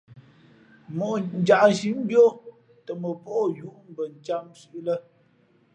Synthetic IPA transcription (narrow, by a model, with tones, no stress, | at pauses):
mo˨n̩˨d͡ʒa˨ʔn˨ʃi˨˦m˦bjo˦ | tə˨mə˨po˦ʔju˦ʔm̩˦bə˨n̩˨t͡ʃa˦msi˦ʔlə˦